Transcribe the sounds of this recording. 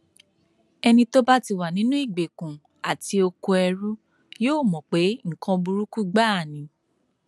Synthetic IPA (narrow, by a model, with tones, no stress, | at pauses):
ɛ˧nĩ˧to˦ba˦ti˧wa˨nĩ˨˦nũ˦i˦˨ɡ͡be˨kũ˨ | a˨ti˧o˧ko˧ɛ˧ɾu˦ | joː˦˨mɔ̃˨k͡pe˨˦ŋ̩˨kã˧bu˧ɾu˦ku˦ɡ͡ba˦˨nĩ˨˦